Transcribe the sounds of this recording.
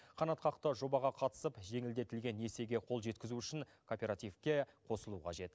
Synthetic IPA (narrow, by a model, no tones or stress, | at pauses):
qʰɑnɑt̪qɑqt̪əʒo̞bɑʁɑqʰɑt̪ə̥səpʒe̞ŋɪld̪e̞t̪ɪlɡʲe̞nje̞se̞ɡʲe̞qʰo̞lˠʒe̞t̪kʲɪzuʏʃɪnkʰopʲe̞ɾat̪ijfkʲe̞qʰo̞səlˠuqʰɑʒe̞t̪